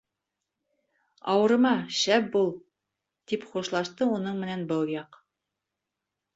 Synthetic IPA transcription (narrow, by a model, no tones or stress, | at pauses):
ɑ̰wɤ̆ɾɤ̆mɑʃæp̚bulˠ | t̪ipχuʃlˠɑʃt̪ɤunɤɴmɘ̆nænbɤlˠjɑq